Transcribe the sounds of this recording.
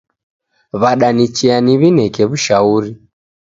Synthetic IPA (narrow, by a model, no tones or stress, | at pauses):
βaɗanit͡ʃianiβinɛkɛβuʃauɾi